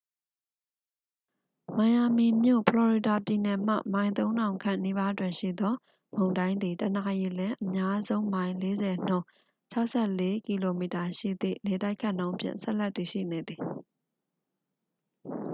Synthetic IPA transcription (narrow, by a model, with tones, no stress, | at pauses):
mã˨ja˨mi˨mjo̰˦˨pʰəlɔ˨ɹi˨da˨pji˨nɛ˨m̥a̰˦˨mã˨ɪ̃nt̪̬õ˦ʊ̃ndã˨ʊ̃ŋkʰã̰˦˨ni˦ba˦dwɪ̃˨nʃḭ˦˨d̪ɔ˦ | mõ˨ʊ̃ndã˦ɪ̃nd̪i˨təna˨ji˨lɪ̃˦ʔəmja˦zõ˦ʊ̃mã˨ɪ̃le˦zɛ˨n̥ʊ̰̃˦˨ | t͡ɕʰa˦ʊʔsʰɛ˦˨le˦ki˨lo˨mi˨ta˨ʃḭ˦˨d̪ḭ˦˨le˨ta˦ɪkʰã˦˨ʔnõ˦ʔpʰjɪ̰̃˦˨nsɛ̰˦ʔlɛ˦ʔtːi˨ʃḭ˦˨ne˨d̪i˨